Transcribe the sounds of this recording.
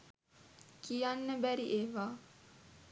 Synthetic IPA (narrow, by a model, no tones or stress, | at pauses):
kijanːəbæɾiʔeːʋaː